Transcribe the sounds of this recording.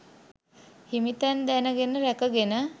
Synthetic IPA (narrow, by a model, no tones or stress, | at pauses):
himit̪ænd̪ænəɡenəɾækəɡenə